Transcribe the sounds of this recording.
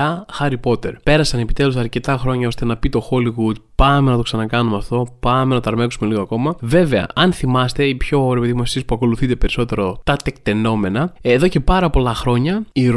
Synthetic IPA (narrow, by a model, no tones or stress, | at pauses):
ɐxɐɾipo̞t̪e̞ɾpe̞ɾɐsɐne̞pi̥t̪e̞lusɐɾce̞t̪ɐxɾo̞ɲɐo̞st̪e̞nɐpit̪o̞xo̞liɣud̪pɐme̞nɐt̪o̞ksɐnɐkɐnumeɐft̪o̞pɐmenɐt̪oɐɾmeksume̞liɣoɐko̞mɐve̞ve̞ɐ̰ɐnθimɐst̪e̞ipço̞ɾepeðimɐsiespuɐko̞luθit̪e̞pe̞ɾiso̞t̪e̞ɾo̞t̪ɐt̪ekt̪e̞no̞me̞nɐðo̞ce̞pɐɾɐpo̞lɐxɾo̞ɲɐiɾ